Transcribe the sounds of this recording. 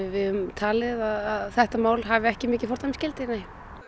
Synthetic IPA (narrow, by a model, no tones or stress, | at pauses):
vɪðʏmt̪ʰaːlɪðaðaðθɛht̪amaːwlɦavɪɛhcɪmɪːcɪ̥fɔɾ̥t̪ʰamscɪlt̪ɪneːj